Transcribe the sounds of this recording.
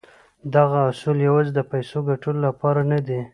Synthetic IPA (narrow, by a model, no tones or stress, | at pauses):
d̪aɣaʊsuljawɑzed̪əpajsoɡaʈullapɑɾanad̪i